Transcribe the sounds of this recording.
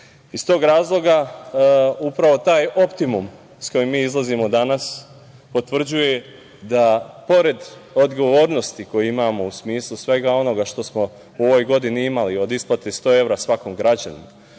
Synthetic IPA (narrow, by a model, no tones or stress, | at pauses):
ist̪o̞ːɡɾaːzlˠo̞ɡa | upɾaʋo̞t̪aːjo̞pt̪imum | sko̞jimːiːizlˠazimo̞d̪anas | po̞t̪ʋr̩d͡ʑuje̞ | d̪apo̞ɾe̞d̪o̞d̪ɡo̞ʋo̞ːɾno̞st̪iko̞jeimaːmo̞usmiːslˠusʋe̞ɡao̞no̞ɡaʃt̪o̞smo̞ | uo̞ʋojɡo̞d̪iniimalio̞d̪isplˠat̪est̪o̞e̞ʋɾasʋakomɡɾad͡ʑanḭma